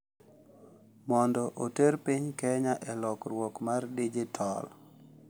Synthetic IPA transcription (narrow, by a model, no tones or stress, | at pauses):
mɔndɔʔoteɾpiɲkɛɲaʔɛlɔkrwɔkmardid͡ʒɪtʰɔl